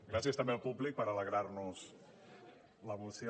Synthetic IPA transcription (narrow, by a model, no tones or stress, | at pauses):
ɡɾasiəst̪əmbeəlˠpublik̚pəɾələɣɾaɾnuz | ləβulsjo